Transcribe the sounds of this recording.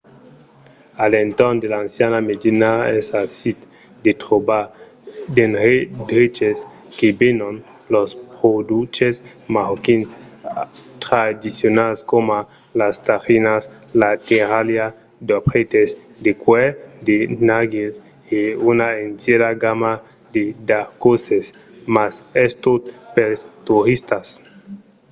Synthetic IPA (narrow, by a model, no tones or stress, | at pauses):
alent̪oɾnd̪elaːnsjanamedinaesasit̪ | d̪et̪ʁoba | d̪enʁed̪ɾit͡ʃes | kebenon | lospʁod̪ut͡ʃes | mahokins | t̪ɾad̪isjonalskoma | last̪aʁinas | lat̪eɾalja | d̪opχet̪es | d̪ekwed̪enaɡes | eunaenseɾaɡama | d̪ed̪aɾkoses | masest̪ot̪peɾst̪uɾist̪as